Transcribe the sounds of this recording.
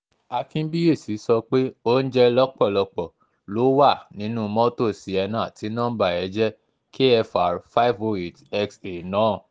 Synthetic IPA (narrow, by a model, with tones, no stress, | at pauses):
a˧kĩ˦n̩˦bi˦e˦˨si˨˦sɔ˧k͡pe˦o˦n̩˦d͡ʒɛ˦lɔ˦k͡pɔ˦˨lɔ˧k͡pɔ˨ | lo˨˦wa˦˨nĩ˨˦nũ˦mɔ̃˦to˦˨si˨˦ɛ˧nãː˨ti˨˦nɔ̃˦ba˦˨ɛ˨˧˦d͡ʒɛ˦ | ke˦ɛ˧fa˨ɾfa˦i˦vo˧e˨tɛ˦kse˨nãː˨˦˨